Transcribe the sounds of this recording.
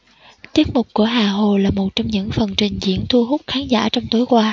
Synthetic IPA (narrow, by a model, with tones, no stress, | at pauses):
t̪i˦˥ət̚mʊ˨˩k͡p̚kːu˧˩əɦaː˨˩ɦo˨˩laː˨˩mo˨˩t̚t͡ɕɔ˧wŋ͡mɲɨ̰˧˥ŋfə˨˩nt͡ɕï˨˩ŋ̟zḭ˧˥ənt̪ʰu˧ɦʊ˦˥k͡p̚xaː˨˦nza̰ː˧˩t͡ɕɔ˧wŋ͡mt̪o˨˦jkwaː˧